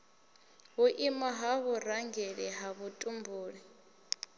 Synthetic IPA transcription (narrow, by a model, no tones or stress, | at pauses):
βuʔimaɦaβuraŋɡɛɺɛɦaβutʼumbʱuːɺi